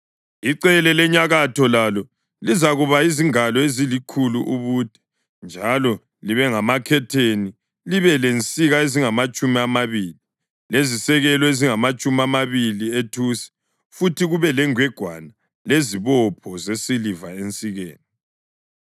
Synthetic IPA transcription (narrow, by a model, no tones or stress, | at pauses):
iǀɛlɛlɛɲaɣatʰɔlalɔ | lizaɣuβaiziŋalɔezilikʰuluʔuβuːd̥ʱɛ̥ | nd͡ʒʱalɔ | liβɛŋamakʰɛtʰeni | liβɛlent͡sʼiɣaeziŋamat͡ʃʼumiamaβiːli | lezisɛɣɛlɔeziŋamat͡ʃʼumamaβilietʰusi̥ | futʰiɣuβɛlɛŋwɛɡ̥ʱwa̰na | leziβɔpʰɔzesilivaent͡sʼiɣḛːni